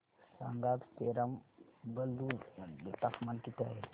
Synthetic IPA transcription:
sa̰ŋɡab̪t̪eɾambəld̪ut̪akmankit̪a̰ɦe

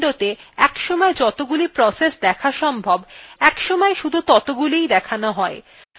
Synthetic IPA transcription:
ɖot̪eɛkʃɔmɔed͡ʑɔt̪oɡulipɾɔsesd̪ɛkʰaʃɔmbʱɔbɛkʃɔmɔeʃud̪ʱut̪ɔt̪oɡulijd̪ɛkʰanoɦɔe

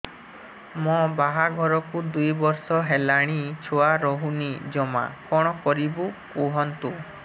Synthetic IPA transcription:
mɔbaɦaɡʱɔɾɔkud̪ujbɔɾsɔɦelaɽ̃it͡ʃʰoaɾɔɦunid͡ʒɔma̰kɔɽ̃ɔkɔɾibukuɦɔnt̪u

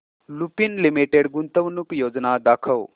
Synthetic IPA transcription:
lupinlimiʈeɖɡunt̪ɐʋnukjoːd͡ʒnaːd̪aːkʰɐw

